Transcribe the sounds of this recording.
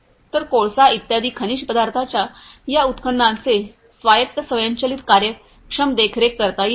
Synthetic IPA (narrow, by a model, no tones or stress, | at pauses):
t̪əɾkoɭsait̪jad̪iːkʰəniɕpəd̪aɾt̪ʰat͡ɕjajaut̪kʰənd̪ãnt͡se | sʋajək̪ːəsəʋjaɲt͡ɕəliːt̪kaɾjə | kʂəmd̪ekʰɾekːəɾt̪ai